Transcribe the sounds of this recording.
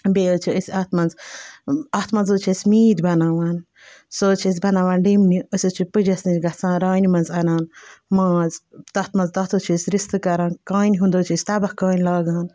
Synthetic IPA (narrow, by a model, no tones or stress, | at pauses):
beːot͡ʃʰiəsʲɐt̪mɐnz | ɐt̪ʰmɐnzot͡ʃʰisʲmiːd̪bɐnaːʋaːn | soːt͡ʃʰis̬ʲbɐnaːʋaːnɖimniəsʲot͡ʃʰipɨd͡ʒɐsnit͡ʃɡɐt͡sãːɾaːnimɐnzɐnaːnmãːzt̪ɐt̪mɐnzt̪ɐt̪ʰot͡ʃʰisʲɾist̪ɨkɐɾãːnkaːnʲɦund̪oːt͡ʃʰisʲt̪ɐbɐhkaːnʲlaːɡãːn